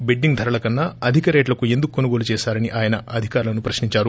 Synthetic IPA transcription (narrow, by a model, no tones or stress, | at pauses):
beɖːiŋɡd̪ʱɐɾɐlɐkɐnːaɐd̪ʱikɐɾeːʈlɐkue̞nd̪ukukːonuɡo̞ːlut͡ʃɛːʃaːɾɐniʔaːjɐnɐɐd̪ʱikaːɾulɐnupɾɐʃniɲt͡ʃaːɾu